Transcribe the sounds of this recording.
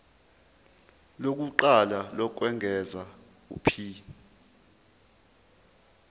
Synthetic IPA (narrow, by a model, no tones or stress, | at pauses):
lok̬uǃalalɔk̬wɛŋʱɛza | ṵpʰiː